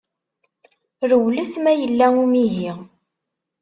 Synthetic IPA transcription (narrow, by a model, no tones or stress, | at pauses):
ɾəwlæsmæjəlːæumiɦiʁ